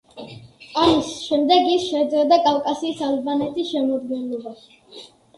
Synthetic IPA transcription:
amisʃɛmd̪ɛɡisʃɛd̪zɛd̪akʼalˠkʼasiːsalbanɛt̪ʰisʃɛmɔd̪ɡɛnlɔbaʃ

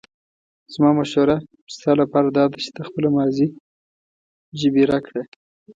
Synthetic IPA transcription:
z̥mɑmaʃoɾa | st̪ɑlapɑɾad̪ɑd̪at͡ʃɪ̥d̪əxpəlamɑzi | ʒəbeɾakɽe

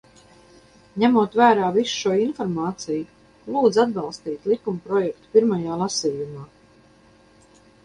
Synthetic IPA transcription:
ɲæmuɔt̪væːɾaːvisu̥ʃuɔinfɔɾmaːt̪siju | lˠuːd̪zad̪̚bɑlˠst̪iːt̪lˠikumpɾɔjɛk̚t̪u̥piɾmajaːlˠasiːjumaː

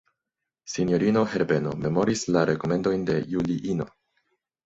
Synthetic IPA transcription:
sinjo̞ɾino̞he̞ɾbe̞no̞̰me̞mo̞ɾislaɾe̞ko̞me̞ndo̞jnde̞juliʔino̞̰

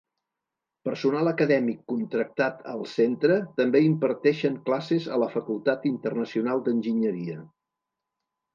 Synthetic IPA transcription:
pəɾsunalˠəkəðɛmikːunt̪ɾək̚t̪at̪ʰəlˠsent̪ɾət̪əmbeimpəɾt̪ɛʃəŋklasezə̰ləfəkulˠt̪at̪int̪ərnəsiunalˠd̪ənʲʒiɲəɾiə

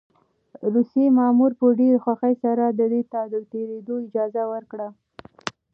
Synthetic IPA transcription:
ɾusjemɑmuɾpəɖeɾxwaxəjsaɾad̪əd̪et̪ɑd̪ət̪eɾed̪oɪd͡ʒɑzawəɾkɽa

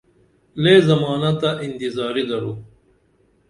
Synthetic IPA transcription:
leːzɐmɑːnat̪aʔint̪izɑːɾid̪ɐɽuː

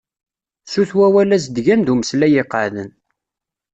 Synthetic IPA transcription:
suθwæwælæs̬d̪ʝænd̪uməslæjɪqəʕðən

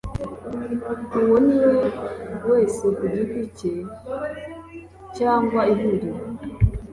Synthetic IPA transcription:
uwoniwewe̞ːsekuɾipice | caːŋɡwaiɦuɾi

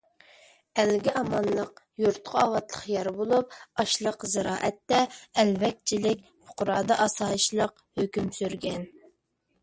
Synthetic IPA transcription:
ælɡʲɪʔɑmɑnlˠəq̚ | juɾt̪̚qʰʊɑwɑt̪lˠəχjɑɾbolˠup̚ɑʃlˠəqzɨɾɑːʔɛt̪ːɛːlvɛk̚ʲt͡ʃʰilɪkʲpʰʊ̥qʊɾɑːd̪ɑʔɑsɑːjiʃlˠəq̚ | høkʲymsyɾɡʲɛn

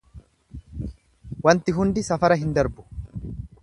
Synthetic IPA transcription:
wɐnt̪ɪɦʊnd̪ɪsɐfɐɾɐɦɪnd̪ɐɾbʊ̥

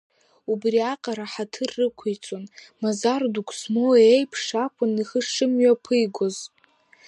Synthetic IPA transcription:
ubriaqʼaɾaħatʰɨrːɨkʷʰijt͡sʼonmazardukʷʰsmoejpʰʂakʷʰʊniχəʂɨmɥapʰɨjɡʷoz

